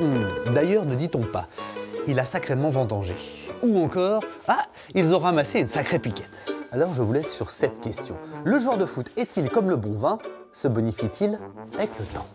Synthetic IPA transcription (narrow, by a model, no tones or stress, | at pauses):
d̪ajœːʁnəd̪it̪ɔ̃pa̰ilasakχemɑ̃vɑ̃d̪ɑ̃ʒḛuɑ̃kɔːʁa | ilzɔ̃ʁamaseynsakχepikʲɛ̥t̪alɔʁʒəvulɛsːyʁsɛt̪kʲɛst̪jɔ̰̃ləʒɑ̃ʁd̪əfut̪ɛt̪ilkɔmləbɔ̃vɛ̃ | səbɔnifit̪ʰilavɛklət̪ɑ̃